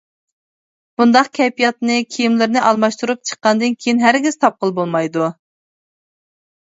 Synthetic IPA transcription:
b̥und̪ɑqkʲʰɛpijɑt̪nɨkʲʰijimlɪɾnɨʔɑlˠmɑʃt̪uɾup̚t͡ʃʰə̥qːɑnd̪ɨnkʲʰejinɦæɾɡʲiz̥t̪ʰɑp̚qəlˠbolˠmɑjd̪u

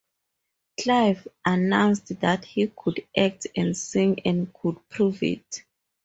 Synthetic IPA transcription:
kʰlajvʔanãw̃nstðathikʰudʔak̚tɛ̃ndsĩŋɛ̃nkʰud̚pʰɹuvḭt

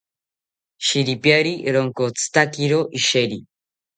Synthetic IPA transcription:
ʃiɾipjaɾiɾoŋkot͡sɨ̥t̪akiɾoʔiʃeɾi

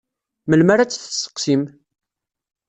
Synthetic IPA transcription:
məlmaɾat͡sːθə̥sːə̥qːsim

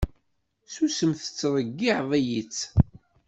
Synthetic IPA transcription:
susəmθə̥t͡sːɾˤəɡːiʕðˤæjit͡sː

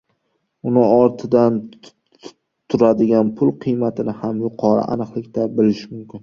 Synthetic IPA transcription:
ʊnɪɒɾt̪ʰɪd̪an | t̪ʰːʊɾad̪ɪɡʲanpʰʊlˠqʰɨjmat̪ʰɪnɪhamjʊqʰɒɾɪ̰ʔa̰nɨqlˠɪkʲt̪ʰabɪlɪʃmʊmkʲʰɪn

